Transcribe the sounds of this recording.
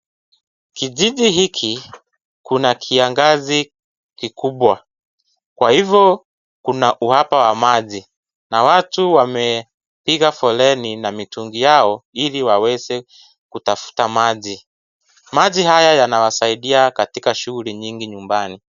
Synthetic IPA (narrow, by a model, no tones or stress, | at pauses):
kiʄiʄiɦikʰi | kunakʰiaŋɡazi | kikʰuɓwa | kwahivjɔ | kunaʔuhapawamaʄi | nawatuwamɛ | piɣafɔlɛninamituŋɡijaɔiliwawɛzɛ | kutafu̥tamaʄi | maʄihajajanawasaiɗiakatikaʃuɣuliɲiŋɡiɲumbani